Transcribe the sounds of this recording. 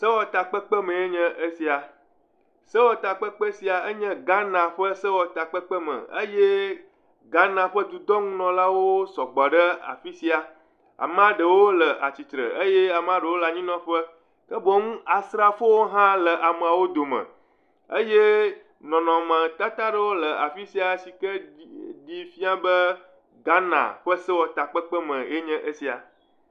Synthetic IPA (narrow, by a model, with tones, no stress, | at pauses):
sə˦wɔ˨t̪a˨k͡pə˦k͡pə˦mə̃˨e˦ɲɛ̃˦ʔə˦si˨a˨ | sə˦wɔ˦t̪a˨k͡pə˦k͡pə˦si˨a˨ə˦ɲɛ̃˦ɡa˦nã˨ɸə˦sə˦wɔ˦t̪a˨k͡pə˦k͡pə˦mə̰˨ə˦je˦ | ɡa˦nã˨ɸə˦d̪u˨d̪ɔ˦ŋũ˦nɔ̃˨la˦wo˦sɔ˨ɡ͡bɔ˨ɖə˦a̰˨fi˦si˦a˨ | a̰˨m˦ã˦ɖə˨wo˦lə˨ʔa̰˨t͡ɕi˨t̪ɾə̰˨ə˦je˦a˨m˦ã˦ɖə˨wo˦la˨ɲĩ˦nɔ̃˦ɸə˦ | kə˦bɔ˨ŋũ˦a˨sɾa˦fo˦wo˦ɦã˦lə˨ʔa˨mə˨a˨wo˦d̪o˨mə̰̃˨ | ə˦je˦ | nɔ̃˨nɔ̃˨mə̃˨t̪a˦t̪a˦ɖə˦wo˦lə˨a˨fi˦si˦a˨˦si˨kə˦di˦fi˦a˦bə˦ | ɡa˦nã̰˨ɸə˦sə˦wɔ˨t̪a˨k͡pə˦k͡pə˦mə̃˨je˦ɲɛ̃˦ʔə˦si˦a̰˨